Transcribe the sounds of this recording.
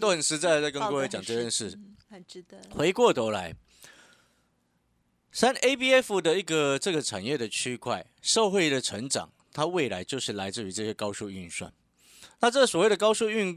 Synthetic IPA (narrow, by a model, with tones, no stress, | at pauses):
t̪o˥ʊxə˨˩nʂɻ̩˧˥t͡sa˥˩ɪt͡sa˥˩ɪkə˦nnwwe˥t͡ɕjɑ˨˩ŋʈ͡ʂə˧˥˧ɻə˥˧nʂɻ̩˥˩˨ | xwe˧˥ɪkwɔ˥˩t̪wɔ˧˥ʊla˧˥ɪ | sa˦˥ne˥ɪpi˥˧ɛ˥fu˨d̪ə˨i˧˥ɡə˨ʈ͡ʂɤ˥˩ɡə˩ʈ͡ʂʰa̰˨˩njɛ˥˩d̪ə˩t͡ɕʰy˥kʰwa˥˩ɪʂɤ˥˧ʊxwe˥˩ɪd̪ə˩ʈ͡ʂʰə˧˥ŋʈ͡ʂɑ̰˨˩ŋt̪ʰa˥we˥˩ɪla˧˥ɪt͡ɕjo˥˧ʊʂɻ̩˥˩la˧˥ɪt͡sɹ̩˥˨y˧˥ʈ͡ʂɤ˥˧˩ɕɛ˥˧kɑ˥ʊʂu˥˧y˥˨nswa̰˥˩n | na˥˧ʈ͡ʂɤ˥swɔ˨˩we˥˩ɪd̪ə˩kɑ˥ʊʂu˥˧y˥˧n